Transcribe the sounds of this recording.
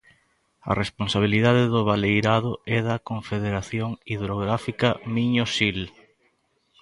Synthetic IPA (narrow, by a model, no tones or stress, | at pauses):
ɐ̰responsaβ̞iliðaðeðʊβalejɾaðʊɛðɐkoɱfeðeɾaθjoŋiðɾoɣɾafikɐmiɲosil